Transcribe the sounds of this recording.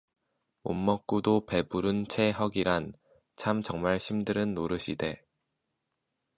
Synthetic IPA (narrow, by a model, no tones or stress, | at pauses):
o̰mːʌk̚k͈udope̞buɾɯnt͡ɕʰe̞ɦʌɡiɾan | t͡ɕʰamt͡ɕʌŋmaɭɕʰimdɯɾɯnːoɾɯɕʰide̞